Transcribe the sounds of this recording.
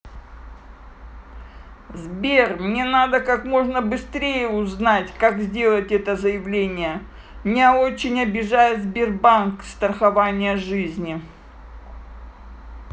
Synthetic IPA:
zbʲermnʲe̞nad̪əkakmo̞ʐnəbɨst̪ɾʲejəʊznatʲkakzʲdʲe̞lˠətʲɛt̪əzəjɪvlʲenʲɪjə | mnʲao̞t͡ɕɪnʲɐbʲɪʐajɪzbʲɪrbankst̪ɾəxɐvanʲɪjəʐɨzʲnʲɪ

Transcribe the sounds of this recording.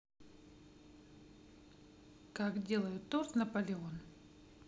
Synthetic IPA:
kakdʲe̞lˠəjʊt̪ːort̪nɐpəlʲɪo̞n

